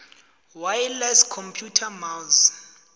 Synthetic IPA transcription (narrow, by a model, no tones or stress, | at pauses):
wajlɛskʰɔmpʰjutʰamalz